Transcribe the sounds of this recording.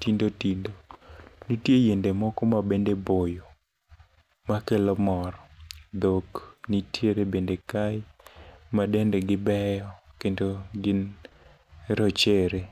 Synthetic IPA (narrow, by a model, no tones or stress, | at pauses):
tindotindonitjejendemɔkɔmabendebojo | makelɔmɔɾɔd̪oknitjeɾebendekaj | madɛndɛɡɪbɛjɔkendoɡɪn | ɾɔt͡ʃeɾe